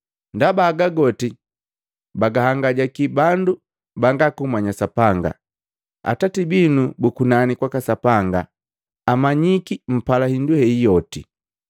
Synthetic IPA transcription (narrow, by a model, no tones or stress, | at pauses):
ndabaːɡaɡɔti | baɡahaŋɡaɟakibandu | baŋɡakumwaɲasapaŋɡa̰ | a̰tatibinubukunanikwakasapaŋɡa̰ː | maɲikim̩palahinduhɛijɔti